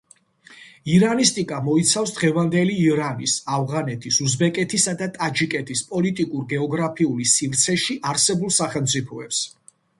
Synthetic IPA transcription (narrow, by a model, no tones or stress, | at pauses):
iɾanist̪ʼikʼamɔit̪sʰafsd̪ʁɛvand̪ɛliːɾanisavʁanɛt̪ʰisuzbɛkʼɛt̪ʰisad̪at̪ʼad͡ʒikʼɛt̪ʰispʼɔlit̪ʼikʼuɾɡɛɔɡɾapʰiulisivɾt̪sʰɛʃiʔaɾsɛbulˠsaχɛlˠmt̪sʼipʰɔɛps